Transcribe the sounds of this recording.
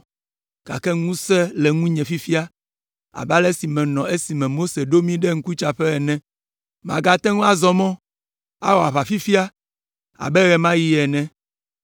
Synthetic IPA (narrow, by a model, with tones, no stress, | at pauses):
ɡ̥a̰˨kɛ˦ŋũ˦sɛ˦lɛ˨ŋũ˦ɲɛ̃˨fi˦fi˦a˦ | a̰˨ba˦lɛ˦si˨mɛ̃˨nɔ̃˨e˦si˨mɛ̃˨mo˦se˨ɖo˦mĩ˦ɖɛ˦ŋ̩˦ku˦t͡ʃa˨ɸɛ˦ɛ˨nɛ̃˦ | m˨ã̰˨ɡa˨t̪ɛ˦ŋũ˦a˨zɔ˦mɔ̃˦ | a̰˦wɔ˨a˨βa˨fi˦fi˦a˦ | a̰˨bɛ˦ɣɛ˨mã˦ji˦ɛ˨nɛ̃˦